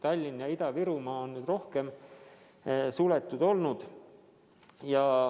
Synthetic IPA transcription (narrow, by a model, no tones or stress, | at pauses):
t̪ɑlʲːinjɑid̪ɑviɾumɑːonnyːd̪ro̞hke̞m | sulɛt̪ːˑud̪̥o̞lnud̪̥ | jɑ